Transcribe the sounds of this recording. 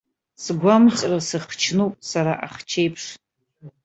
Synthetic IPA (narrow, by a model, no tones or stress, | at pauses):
sɡʷamt͡sʼrasɨχt͡ʃʰnupʼsaɾaʔaχt͡ʃʰejpʰʂ